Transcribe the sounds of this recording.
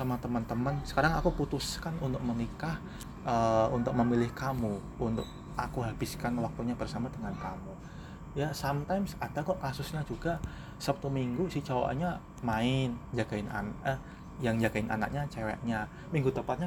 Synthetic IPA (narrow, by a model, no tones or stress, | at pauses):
amat̪əmənt̪əmənsə̥kaɾaŋakuput̪uskanunt̪ʊk̚mənikah | əunt̪ʊk̚məmilɪhkamu | unt̪ʊ̰k̚ | akuɦabɪskanwak̚t̪uɲabərsamadəŋankamu | jasamt̪ajmsadakɔkasʊsɲad͡ʒuɡa | səpət̪umiŋɡusit͡ʃawa̰ɲa | maɪnd͡ʒaɡaɪna̰nə | jaŋd͡ʒaɡaɪnʔa̰na̰k̚ɲat͡ʃewɛ̰ʔɲa | miŋɡut̪əmpat̪̚ɲa